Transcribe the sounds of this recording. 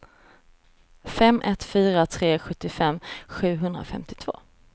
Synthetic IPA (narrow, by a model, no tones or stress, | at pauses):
fɛmʔɛt̪fyːɾat̪ʰɾeːɧɵt̪ːɪfɛmːɧʉ̟ːɦɵnd̪ɾa̰fɛ̰mt̪ɪ̥t̪ʰv̥o̰ː